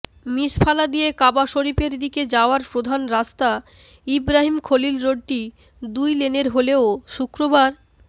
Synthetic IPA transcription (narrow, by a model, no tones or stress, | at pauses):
mispʰalad̪ijekabaʃoɾipeɾd̪iked͡ʑaoaɾpɾod̪ʱanɾast̪a | ibɾaɦimkʰolilɾoɖ̚ʈi | d̪ujleneɾɦoleoʃukɾobaɾ